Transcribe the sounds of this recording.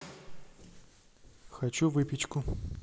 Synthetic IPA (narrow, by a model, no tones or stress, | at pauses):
xɐt͡ɕuvɨpʲɪt͡ɕkʊ